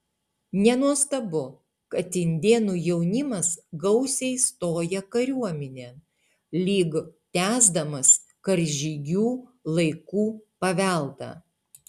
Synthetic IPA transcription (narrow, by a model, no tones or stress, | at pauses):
nʲɛnuɔst̪ɐbʊ | kɐt̪ʲɪnʲd̪ʲeːnuːjɛʊnʲɪmɐsɡɐʊsʲɛɪst̪oːjɛkɐɾʲuɔmʲɛnʲeː | lʲiːɡt̪ʲæːzd̪ɐmɐs | kɐɾʲʒʲiɡʲuːlˠɐɪkuːpɐʋʲæˑlˠt̪ɑ̰ː